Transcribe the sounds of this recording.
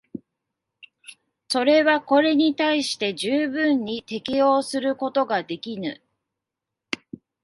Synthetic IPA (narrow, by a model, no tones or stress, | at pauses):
so̞ɾe̞βako̞ɾe̞ɲ̟it̪aiɕi̥t̪e̞ʑɨːbɯ̟̃ɲːit̪e̞kʲijo̞ːsɨɾɯ̟ko̞t̪o̞ɡad̪e̞kʲinɯ